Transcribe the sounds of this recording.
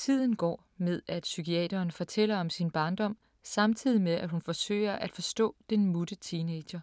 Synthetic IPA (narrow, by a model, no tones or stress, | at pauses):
t͡sʰið̞̰ˠn̩ɡ̥ɒ̰ː | með̞ˠæd̥sykʰiɛ̰ːdɐːnfɒ̽t͡sʰel̰ɐɒ̽msinb̥ɑ̈ːnd̥ɒ̽m̰ | sɑ̈mt͡sʰið̞̰ˠimeðˠʔæ̥hunfɒ̽sø̰ɪ̰ɐʔæd̥fɒ̽sd̥ɔ̰̽ːd̥enmud̥ət͡sʰiːne̥ɕɐ